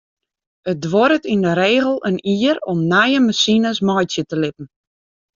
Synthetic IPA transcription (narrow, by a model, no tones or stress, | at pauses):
ət̚dʋɔɾətindəɾeːɣəlˠəniːəɾɔmnɛjəmasinəsmɔjtjətəlɪpn̩